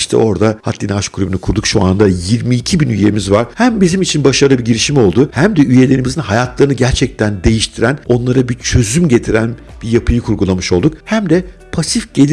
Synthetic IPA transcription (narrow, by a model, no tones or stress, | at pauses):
iʃt̪ʰɛ̰ʔo̞ɾd̪aha̰t̪ʰlʲinaaʃkʰuɾʲybynykʰuɾd̪ukʃua̰nd̪ajiɾmiːcʰibinyjemizvaɾ̥hæmbizimit͡ʃʰinbaʃaɾlˠɯbiɟiɾiʃimo̞lˠd̪uhæmd̪ɛyje̞lʲe̞ɾimizinhajat̪ʰlˠaɾɯnɯɟæɾt͡ʃʰɛc̚t̪ʰænd̪e̞jiʃt̪ʰiɾæno̞nlˠaɾabit͡ʃʰø̞zymɟe̞t̪ʰiɾæn | bijapʰɯjɯkʰuɾɡulˠamɯʃo̞lˠd̪uk̚hæmd̪ɛpʰasifɟ̥e̞lʲi